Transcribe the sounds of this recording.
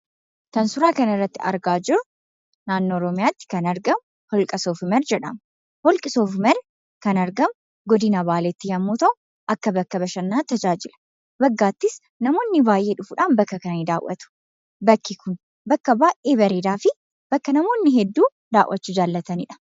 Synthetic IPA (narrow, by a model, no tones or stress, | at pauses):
t̪ɐnsʊɾaːkɐnɐɪrːɐt̪ːɪɐ̰ɾɡaːd͡ʒɪɾʊ | naːnːoːɔɾɔmɪjaːt̪ːɪ̥kɐnɐɾɡɐm | hɔlkʼɐsoːfɪmɛɾd͡ʒɛᶑɐ̰m | hɔlkʼɪsoːfmɛɾ | kɐnɐɾɡɐm | ɡɔd̪ɪnɐbaːleːt̪ːɪjɐmːuːt̪ɐʔʊ | ʔɐkːɐbɐkːɐbɐʃɐnːaːt̪ɐd͡ʒaːd͡ʒɪlɐ̥ | bɐɡːaːt̪ːɪs | nɐmo̞ːnːɪbaːjʔeːᶑʊfʊᶑaːnbɐkːɐkɐnnid̪aːwʔːɐ̰t̪ʊ̥ | bɐkːɪkʊn | bɐkːɐbaːʔeːbɐɾeːd̪aːfɪ | b̥ɐkːɐnɐmo̞ːnːɪɦɛd̪ːuː | d̪aːwʔɐt͡ʃːud͡ʒaːlːɐt̪ɐnɪᶑɐ̥